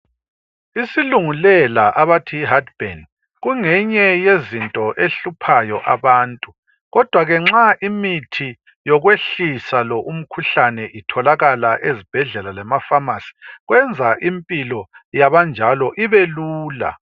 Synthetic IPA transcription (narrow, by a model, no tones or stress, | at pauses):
isiluŋulɛlaʔaβatʰiːɦadb̥en | ɣuŋɛɲɛjezintʼɔʔeɬupʰajɔʔaβaːntʼu | ɣɔd̥ʱwaɣɛŋ͡ǁaʔimitʰi | jɔɣweɬisalɔʔum̩kʰuɬanɛʔitʰɔlaɣalaʔezib̥ʱɛɮɛlalɛmafamasi̥ɣwɛnd͡zʱaʔimpʼilɔjaβand͡ʒʱalɔʔiβeluːla̰